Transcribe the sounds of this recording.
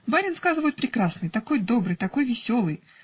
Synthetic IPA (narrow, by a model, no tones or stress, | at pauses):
baɾʲɪnskazɨvəjʊt̪̚pɾʲɪkɾasnɨjt̪ɐko̞jd̪o̞bɾɨjt̪ɐko̞jvʲɪsʲo̞lˠɨj